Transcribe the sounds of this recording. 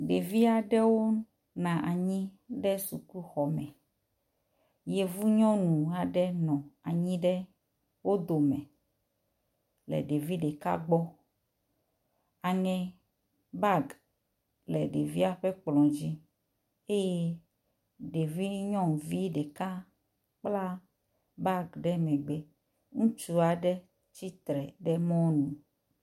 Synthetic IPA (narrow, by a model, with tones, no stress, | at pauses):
ɖe˨vi˦a˨ɖɛ˦wo˦ | nã˨ʔa˨ɲĩ˦ | ɖɛ˦su˨kʷu˦xɔ˨mɛ̃˨ | je˨vu˦ɲɔ̃˦nũ˨a˨ɖɛ˦nɔ̃˨a˨ɲĩ˦ɖɛ˦ | wo˦d̪o˨mɛ̃˨ | lɛ̰˨ɖe˨vi˦ɖɛ˨ka̰˦ɡ͡bɔ˦ | a˨ŋɛ̃˨ | ba˦˨ɡ | lɛ˨ɖe˨vi˦a˦ɸɛ˦k͡plɔ̃˨d͡ʑi˦ | e˦je˦ | ɖe˨vi˦ɲɔ̃˦˨ŋ˨vi˦ɖɛ˨ka˦ | k͡pla˦ | ba˦ɡɖɛ˦mɛ̃˨ɡ͡be˦ | ŋũ˦t͡ʃu˦a˨ɖɛ˦ | t͡ɕi˦t̪ɾɛ˨ɖɛ˦mɔ̃˦wnũ˨